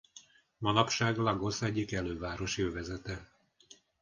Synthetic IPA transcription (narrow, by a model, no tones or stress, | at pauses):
mɒnɒpʃaːɡlɒɡo̞sɛɟːikɛløːvaːɾo̞ʃøːvɛzɛt̪ɛ